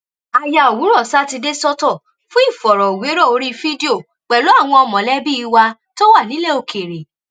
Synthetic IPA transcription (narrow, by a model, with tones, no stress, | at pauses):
a˧ja˧o˨wu˨˦ɾɔ˦˨sa˦ti˧de˦sɔ˦tɔ˦˨ | fũ˦i˦˨fɔ˨ɾɔ˨o˨we˨˦ɾɔ˦˨o˧ɾi˦fi˦di˦o˦˨ | k͡pɛ˨lo˨˦a˦˨w̃ɔ̃˧ɔ˧mɔ̃˨lɛ˦bi˦i˧wa˧to˦wa˦˨nĩ˨˦le˦˨o˨kʰe˨ɾe˨